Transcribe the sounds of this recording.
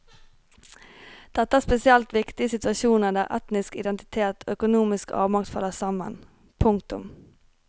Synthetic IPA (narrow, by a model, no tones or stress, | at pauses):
d̪̥ɛt̪ːəæːspɛsɪɛlt̪ʋɪkt̪ɪəsɪt̪ʉɑʃuːnəɖ̪æːʁʔɛt̪nɪskɪd̪ɛnt̪ɪ̥t̪ʰeːt̪ʰoːœkʊnuːmɪskɑ̰ːʋmɑkt̪fɑ̰lːəsɑmə̰n | pʰʊŋk̚t̪ʊm